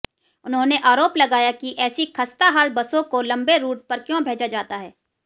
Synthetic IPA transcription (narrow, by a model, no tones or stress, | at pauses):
ʊnɦõneʔaːɾoːplɐɡaːjakiʔɛːsikʰɐst̪aɦaːlbɐsõkolɐ̃mbeɾuːʈ̚pɐɾkjõbʱeːd͡ʒad͡ʒaːt̪aɦɛː